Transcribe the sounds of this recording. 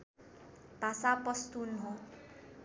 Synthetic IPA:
b̥ʱasapɔst̪unɦo

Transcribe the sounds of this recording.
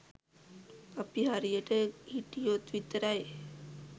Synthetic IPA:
apiɦaɾijəʈəhiʈijot̪ʋit̪ːəɾaj

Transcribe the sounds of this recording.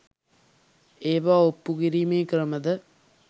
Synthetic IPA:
eːʋaːopːuɣiɾimeːkrɐmɐðɐ

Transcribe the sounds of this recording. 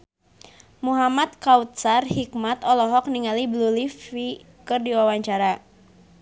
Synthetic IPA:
muɦamat̪̚kawt̪̚sarhikmat̪ɔlɔɦɔk̚niŋaliblulifi | kɨrdiwawaɲt͡ʃaɾa

